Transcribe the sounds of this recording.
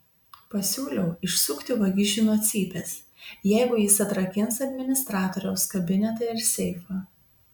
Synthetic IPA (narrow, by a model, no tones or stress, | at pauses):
pɐsʲuːlʲɛʊɪʃsʊkt̪ʲɪʋɐɡʲɪʒʲɪnoːt̪sʲiːbʲeːs | jɛɪɡʊjɪsɐt̪ɾɐkʲɪnsɐd̪ʲmʲɪnʲɪst̪ɾɑːt̪ɔːɾʲɛʊskɐbʲɪnʲɛt̪ɐɪɾsʲɛɪfɐ